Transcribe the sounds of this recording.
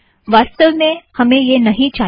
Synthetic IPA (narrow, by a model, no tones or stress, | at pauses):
ʋaːst̪əlmẽhɐmẽjenɐɦĩt͡ʃaː